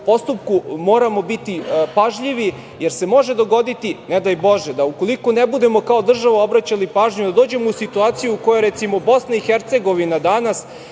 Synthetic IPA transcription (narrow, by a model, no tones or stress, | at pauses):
po̞st̪up̚kumo̞ːɾamo̞bit̪ipaʒʎiʋi | jeɾse̞mo̞ʒe̞d̪o̞ɡo̞d̪it̪ined̪ajbo̞ʒed̪auko̞likonebud̪e̞mo̞kao̞d̪r̩ʒaʋao̞bɾat͡ɕalipaːʒɲud̪ad̪o̞ːd͡ʑe̞mousit̪uaːt̪sijuːkojoɾɛt̪simo̞bo̞snaixeɾt̪se̞ɡo̞ʋinad̪anas